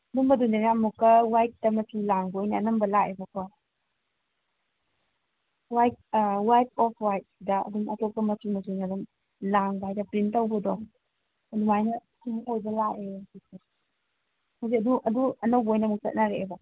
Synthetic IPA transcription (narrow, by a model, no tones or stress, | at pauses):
ɐdumbɐdunanamukːɐwajt̚dɐmɐtʰulaŋbojnɐːnɐmbɐlaebɐka | wajt̚wajt̚ɔpʰwajt̚sidɐɐ̰dumɐtɔk̚kɐmɐtʰumɐtunaduŋ | laŋbajdɐpɾintawbɔdɔ | ɐdumajnɐ | suŋojbɐlaesik̚a | mus̬iɐduʔɐduɐnɐwbojnɐmuk̚sɐ̰t̚naɾeeba